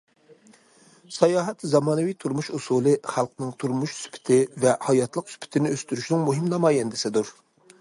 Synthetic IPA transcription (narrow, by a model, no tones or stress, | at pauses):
sɑjɑːɦɛt̪zɑmɑːnɨvijt̪ʰuɾmuʃusulˠɨχælˠqnɨŋt̪ʰuɾmuʃsy̥pʰɪ̥t̪ʰɪvɛhɑjɑt̪ʰlˠəqsy̥pʰɪ̥t̪ʰɪnɪøst̪yɾyʃnɪŋmuɦɪmnɑmɑːjɛnd̪ɪsɪd̪uɾ